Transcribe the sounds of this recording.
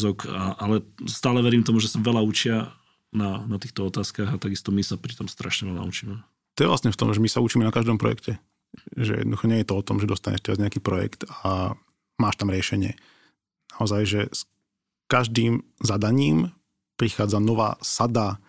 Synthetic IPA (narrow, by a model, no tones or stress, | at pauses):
zɔkʰaʔalɛst̪aːlɛʋɛɾiːmt̪ɔmuʒɛsaʋɛʎaut͡ʃɪa | nanat̪iːxt̪ɔɔt̪aːskaːɣat̪aɡist̪ɔmisapɾit̪ɔmst̪ɾaʃɲɛʋɛla̰ut͡ʃiːmɛ | t̪ɔjɛʋlasɲɛft̪ɔmʒɛmisaut͡ʃiːmɛnakaʒd̪ɔmpɾɔ̰jɛ̰kcɛ | ʒɛ̰jɛ̰nɔd̪uxɔɲɛjɛt̪ɔɔt̪ɔmʒɛd̪ɔst̪aɲɛ̰ʃt̪ɛɾazɲɛakiːpɾɔjɛ̰kt̪a | maːʃt̪amɾɪɛʃɛɲɪɛ | naɔzajʒɛs | kaʒd̪iːmzad̪aɲiːm | pɾixaːd͡zanɔʋa̰ːsad̪a